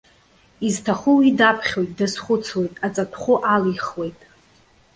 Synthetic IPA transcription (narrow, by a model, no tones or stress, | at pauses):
iztʰaχʊwidapʰχʲo̞jt̚ʼdɨsχʷʊt͡sʰwe̞jtʼat͡sʼatʰχʷʊʔaliχwe̞jtʼ